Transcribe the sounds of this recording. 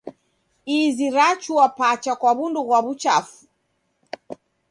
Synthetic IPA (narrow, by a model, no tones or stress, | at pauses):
iziɾat͡ʃuwapat͡ʃakwaβunduɣwaβut͡ʃa̰fu̥